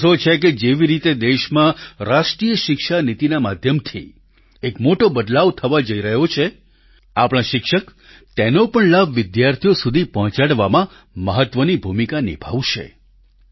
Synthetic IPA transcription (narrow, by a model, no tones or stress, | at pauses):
sot͡ʃʰeked͡ʒeʋiɾit̪ed̪eʃmãɾaʃʈɾijəʃɪkʃanit̪inamad̪ʱjəmt̪ʰḭ | ekmoʈobəd̪laʋt̪ʰəʋad͡ʒəiɾəɦot͡ʃʰe | apɽ̃ãʃɪkʃək | t̪enopəɳlabʋɪd̪jaɾt̪ʰijosud̪ʱipɔɦɔ̃t͡ʃaɽʋamã | məɦət̪ʋənibʱumikanɪ̰bʱaʋʃḛ